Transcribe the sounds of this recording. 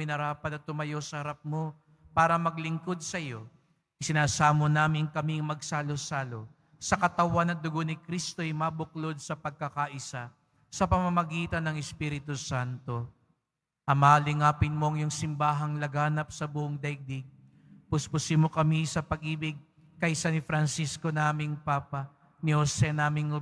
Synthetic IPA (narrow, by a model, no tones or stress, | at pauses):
ɪnɐɾaːpɐt̪ɐt̪ʊmɐjo̞sɐhɐɾap̚mo̞ | paːɾɐmɐɡlɪŋko̞d̪̚sɐjo̞ | ʔɪsɪnaːsaːmonaːmɪŋkɐmiŋmɐɡsaːlosaːlo̞ | sɐkɐt̪ɐwanɐd̪ʊɡonɪkɾist̪o̞ʔjmabʊklo̞d̪̚sɐpɐɡ̚kɐkaʔɪsa | sɐpɐmɐmɐɡiːt̪ɐnːɐŋɛspiːɾɪt̪usant̪o̞ | ʔɐmaːlɪŋaːpɪnmo̞ɐŋjʊŋsɪmbaːɦɐŋlɐɡaːnɐp̚sɐbʊʔoŋd̪ɐjɡ̚d̪iɡ̚ | pʊspʊsɪmokɐmisɐpɐɡʔiːbɪɡ̚ | kɐʔsanɪfɾɐnsisko̞naːmɪŋpaːpɐ | nihosɛnaːmɪŋo